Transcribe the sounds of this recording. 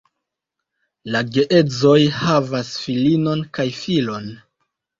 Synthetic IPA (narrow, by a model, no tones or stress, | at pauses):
laɡe̞ʔe̞d͡zo̞jhavasfilino̞nkajfilo̞n